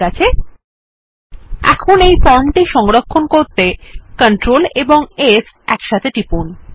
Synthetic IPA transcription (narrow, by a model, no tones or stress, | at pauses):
at͡ɕʰe | ɛ̰kʰonejpɔɳʈiʃɔŋɾokʰːonkoɾt̪ekəɳʈɾoleboŋes | ɛkʃat̪ʰeʈipun